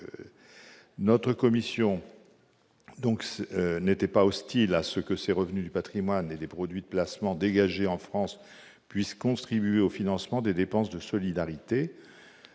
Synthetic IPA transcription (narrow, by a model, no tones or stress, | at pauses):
nɔt̪χəkɔmisjɔ̃ | d̪ɔ̃ksnet̪ɛpaɔst̪ilasəkəseʁəvnyd̪ypat̪χimwaned̪epχɔd̪ɥid̪əplasmɑ̃d̪eɡaʒeɑ̃fχɑ̃s | pɥiskɔ̃t̪χibɥeofinɑ̃smɑ̃d̪ed̪epɑ̃sd̪əsɔlid̪aʁit̪e